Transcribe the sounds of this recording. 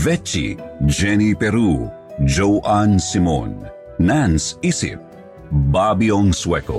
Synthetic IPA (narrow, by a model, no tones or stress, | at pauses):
ʋɛt͡ʃḭd͡ʒɛːnipeɾuː | d͡ʒoʔaːnsimo̰ːnː | ænsisḭp̚ | baːbiõŋsweko̰